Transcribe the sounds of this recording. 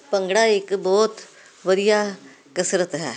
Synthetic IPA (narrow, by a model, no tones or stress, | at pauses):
pəŋɡɽaːɪkbɔːt̪ | ʋəd̪ɪjaː | kəsɾət̪ɦɛ̰ː